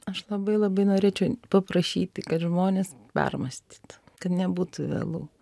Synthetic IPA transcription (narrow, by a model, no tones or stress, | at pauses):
ɐʃlˠɐbɐɪlˠɐbɐɪnoːɾʲeːt͡ʃʲɛʊpɐpɾɐʃʲiːt̪ʲɪkɐt̪ʒmoːnʲeːspʲɛ̰rmɐsʲt̪ʲi̥ːt̪kɐt̪nʲɛbuːt̪ʊʋʲḛːlˠṵː